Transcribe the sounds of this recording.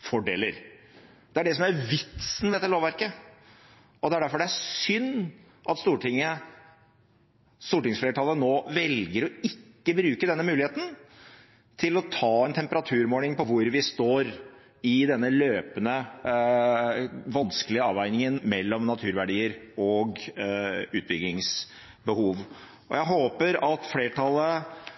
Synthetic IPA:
fɔɖeːləɾ | d̪̥ɛæɖɛsɔmæɾʋɪt̪sn̩ʋ̪ɛt̪ːəloːʋæɾkə | ɔd̪ɛæɖæɾfɔɖɛæsʏnː | ʔɑt̪st̪uːʈɪŋːə | st̪uːʈɪŋsfleːɾʈʰɑːlənoːʋɛlɡəɾɔɪkːəbɾʉːkəd̪ɛnːəmʉːlɪheːt̪n̩ | t̪ʰɪlɔt̪ʰɑːɛnt̪ʰɛmpəɾɑt̪ʰʉːɾmoːlɪŋpɔʋʊɾʋɪst̪oːɾ | ɪd̪ɛnːəløːpənə | ʋɑnskəlɪəɑːʋæɪnɪŋənmɛlːɔmnɑt̪ʰʉːɾʋæɖiːəɾɔɡ | ʉːt̪̚bʏɡlɪŋs | bəhuːʋ | ɔ̰jæɪɦoːpəɾɑt̪fleːʈʰɑlːə

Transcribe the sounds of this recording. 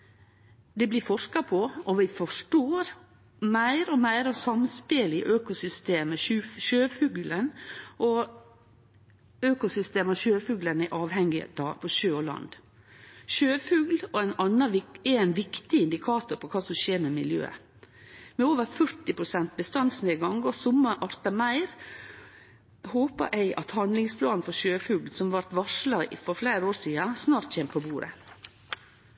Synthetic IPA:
d̪ɛblɪfɔʂkɑpʰɔʔɔʋɪfɔʂʈoːɾ | mæɪɾɔmæɪɾɑʋsɑmspɪlɪ̰ʔøːkʊsʏst̪eːməʉʃøːfʉːɡlənʔɔ | øːkʊsʏst̪eːmɑʃøːfʉːɡlənæʔɑːʋhɛŋɪd̪ɑːpʰɔʃøːɔlɑ̰nd̪ | ʃøːfʉːɡlɔæɪnɑnːɑʋɪɛɛnʋɪkt̪ɪɪnd̪ɪkʰɑːt̪ʊɾpʰɔkʰɑːsɔmʃeːɾmɛmɪljø̰ːə̰ | mɛoːʋəɾfœɾʈɪpʰɾʊsɛnt̪̚bəst̪ɑnsneːɡɑŋɡɔsʊmːɑʔɑɾt̪ɑmæɪɾ | hoːpɑ̰ʔæɪʔɑt̪hɑnd̪lɪŋspʰlɑːnnfɔʃøːfʉːɡlsɔmʋɑɾt̪ʋɑʂlɑfɔɾflæɪɾoːʂiːɑsnɑːɾt̪çɛːmpʰɔbuːɾə̰

